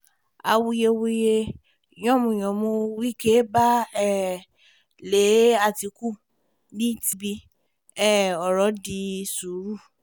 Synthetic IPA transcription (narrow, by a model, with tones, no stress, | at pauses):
a˧wu˧je˧wu˦je˧ | j̃ɔ̃˦˨mũ˧˨j̃ɔ̃˨mõ˧wi˦ke˦ba˦ɛ˦ | le˨˦a˧ti˧ku˦˨ | nĩ˦ti˧bi˧ | ɛ˦˨ɔ˨ɾɔ˨˦di˧su˨ɾu˦˨